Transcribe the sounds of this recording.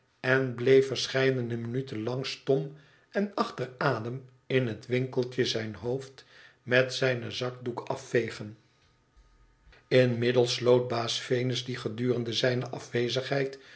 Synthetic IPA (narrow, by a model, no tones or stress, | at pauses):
ɛnblejfəɹsχɛjdənəmənytənlɑŋstɔm | ɛnɑχtəraːdəm | ɪnɦətʋɪŋkəlˠtəzɛjnɦowft | mɛtsɛjnəzɑk̚dukɑ̰fːejχən | ɪnmɪdəlˠslowt̚baːsfejnəzdiχədyːrəndəzɛjnəʔɑfʋejzəχɦɛjt